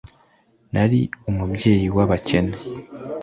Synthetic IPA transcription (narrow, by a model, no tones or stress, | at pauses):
naɾiumubɟe̞ːjiwaβace̞ne